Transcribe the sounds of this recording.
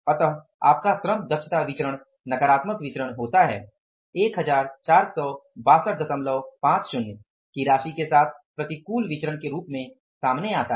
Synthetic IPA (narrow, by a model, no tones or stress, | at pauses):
ɐt̪əɦ | a̰ːp̚kasɾəmd̪əkʃʰət̪aʋɪt͡ʃɾəɽ̃ | nɐkəɾaːt̪məkʋɪt͡ʃɾəɽ̃ɦoːt̪aɦɛ̰ː | eːkɦɐd͡ʒaːɾt͡ʃaːɾsɔːbaːsəʈd̪əsəmləʋpãːt͡ʃʃʊnː | kiɾaːʃikesaːt̪ʰpɾɐt̪ikuːlʋɪt͡ʃəɾəɽ̃keɾuːpmẽ | saːmneaːt̪a